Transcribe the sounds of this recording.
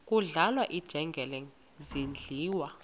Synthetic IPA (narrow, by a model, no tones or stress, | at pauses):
kʼuɮalwaʔid̥ʒ̥ʱɛŋɡʱɛlɛŋ | zind͡ɮʱiːwa